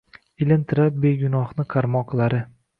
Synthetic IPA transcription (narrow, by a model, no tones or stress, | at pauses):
ɪlɪnt̪ʰɪɾap̚be̞ɡʲʊnɒχnɪqʰɑɾmɒqlˠaɾɪ